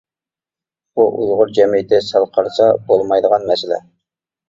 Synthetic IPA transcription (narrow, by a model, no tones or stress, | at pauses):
buʔṵzˠʁʊɾd͡ʒɛmijt̪ʰɪsælˠqʰɑɾsɑbolˠmɑjd̪əʁɑnmɛsɪlɛ̰